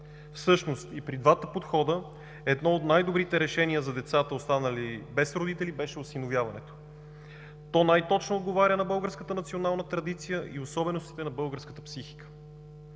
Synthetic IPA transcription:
fsɤʃnost̪ipɾid̪vat̪əpot̪xɔd̪ə | ɛd̪nɔot̪najd̪obɾit̪ɛɾɛʃɛniəzɐd̪ɛt̪sat̪əost̪anəlibɛsɾod̪it̪ɛlibɛʃɛosinovjavɐnɛ̰t̪o̥ | t̪ɔnajt̪ɔt͡ʃnoːd̪̚ɡovaɾʲənɐbɤlˠɡəɾskət̪ənɐt̪sionalˠnət̪ɾɐd̪it̪sijəʔiosɔbɛnost̪i̥t̪ɛnɐbɤlˠɡəɾskə̥t̪əpsixi̥kə̥

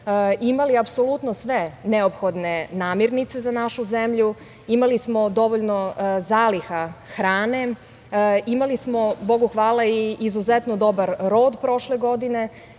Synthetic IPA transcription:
imaliapsolˠut̪nosʋe̞neopxo̞d̪ne̞naːmiɾnit̪se̞zanaʃuzemʎu | imalismo̞d̪o̞ʋoʎno̞zaːlixaxɾaːne̞ | imalismo̞bo̞ɡuxʋaːlaiːzuzet̪nod̪o̞baɾːoːd̪pɾo̞ʃle̞ɡo̞d̪ine̞

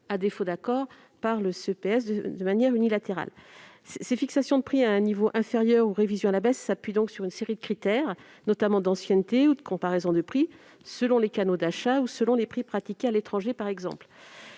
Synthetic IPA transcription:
ad̪efod̪akɔʁ | paʁləsøpeɛsd̪əd̪əmanjɛʁynilat̪eʁa̰l | ssefiksasjɔ̃d̪əpχiaɛ̃nivoʔɛ̃feʁjœʁuʁevizjɔ̃alabɛsːapɥid̪ɔ̃ksyʁynseʁid̪əkχit̪ɛʁ | nɔt̪amɑ̃d̪ɑ̃sjɛnt̪eud̪əkɔ̃paʁɛzɔ̃d̪əpχi | səlɔ̃lekanod̪aʃausəlɔ̃lepχipχat̪ikʲealet̪χɑ̃ʒepaʁɛɡzɑ̰̃pl

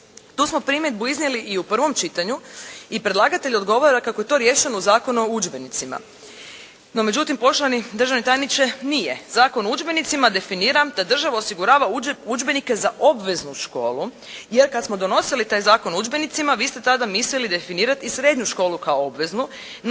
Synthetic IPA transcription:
t̪uːsmo̞pɾiːmjed̪̚buiznjeliʔiupr̩ʋo̞mt͡ʃit̪aɲuipɾe̞d̪laːɡat̪eʎo̞d̪ɡo̞ʋoɾakakoje̞t̪o̞ɾje̞ːʃenuzaːko̞nuud͡ʒbe̞nit̪sima̰ | no̞me̞d͡ʑut̪impo̞ʃlanid̪ɾr̩ʒaʋnet̪aːjnit͡ʃenijezaːko̞noud͡ʒbe̞nit̪simad̪e̞finiːɾamd̪ad̪r̩ʒaʋaosiɡuɾaːʋauud͡ʒbe̞nike̞zaʔo̞bʋe̞znuʃko̞ːlu | jeɾkad̪smo̞d̪o̞no̞silit̪aːjzaːkonud͡ʒbe̞nit̪simaʋiːst̪et̪ad̪amislilid̪e̞finiːɾat̪isɾe̞ːd̪ɲuʃko̞ːlukaoobʋe̞znu | n

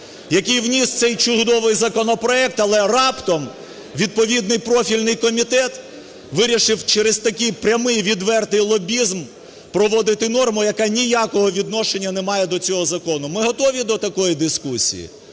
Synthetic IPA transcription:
jɐkɪjwnʲist̪sɛjt͡ʃʊd̪ɔʋɪjzɐkɔnɔpɾɔɛk̚t̪ɐlˠɛrɑpt̪ɔm | ʋʲid̪̚pɔʋʲid̪nɪjpɾɔfʲilʲnɪjkɔmʲit̪ɛt̪ | ʋɪɾʲiʃɪwt͡ʃɛɾezst̪ɐkɪjpɾʲɐmɪjʋʲid̪ʋɛrt̪ɪjlˠɔbʲizm | pɾɔʋɔd̪ɪt̪ɪnɔrmʊjɐkanʲijakɔɦɔʋʲid̪nɔʃenʲːɐnɛmɑjɛd̪ɔt͡sʲɔɦɔzɐkɔnʊmɪɦɔt̪ɔʋʲid̪ɔt̪ɐkɔjid̪ɪskusʲḭjḭ

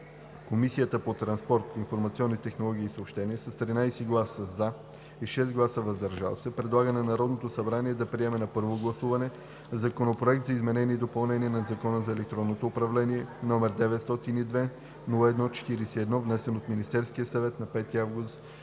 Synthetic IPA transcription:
komisijət̪əpot̪ɾɐnspɔɾt̪infoɾmɐt̪siɔnːit̪ɛxnolˠɔɡ̟ʲiːsəopʃt̪ɛniəsɐst̪ɾinajsɛɡlˠasəza | iʃɛsɡlˠasəvɐzd̪ɐɾʒa̰lˠsɛpɾɛd̪lˠaɡənɛnɐɾɔd̪not̪osɐbɾaniɛd̪ɐpɾiɛmɛnɐpɤɾvoɡlˠɐsuvɐnɛ | zɐkonopɾoɛkt̪zɐizmɛnɛnʲiːd̪opɐlˠnɛniɛnɐzɐkɔnəzɐɛlɛk̚t̪ɾɔnːot̪oːpɾɐvlɛniɛnɔmɛɾd̪ɛvɛt̪st̪ɔt̪inid̪vɛ | nulˠəɛd̪nɔt͡ʃɛ̥t̪iɾisiɛd̪nɔvnɛsɛnot̪minist̪ɛɾskijəsɐvɛt̪nɐpɛt̪iavɡust̪

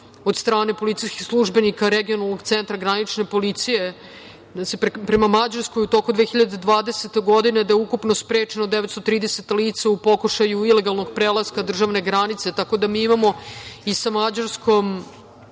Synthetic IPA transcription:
od̪st̪ɾaːne̞po̞lit̪ijski̥slˠuʒbe̞nikaɾeɡionalˠno̞ɡt̪sent̪ɾaɡɾanit͡ʃne̞po̞lit̪sije̞ | at͡ʃippɾe̞mamad͡ʑaɾskojut̪o̞kud̪ʋeːxiʎad̪ed̪ʋaːd̪eset̪eɡo̞d̪ine̞d̪ajeukupno̞spɾeːt͡ʃenod̪eʋet̪st̪ot̪ɾiːd̪eset̪aliːt̪saupo̞kuʃajuile̞ɡalˠnoɡpɾeːlaskad̪r̩ʒaʋne̞ɡɾanit̪se̞t̪ako̞d̪amiːimamo̞isamad͡ʑaɾskʰo̞m

